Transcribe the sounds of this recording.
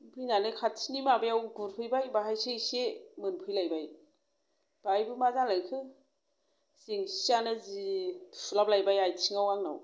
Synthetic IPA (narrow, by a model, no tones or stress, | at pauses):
bʰɯjnanɯkʰatʰinimabajawɡuɾpʰɯjbajbaɦajsejsemɯnpʰɯjlajbaj | b̥ajbɯmazaŋlakʰɯ | siŋsianɯziulap̚lajbajajtʰiŋawaŋna̰w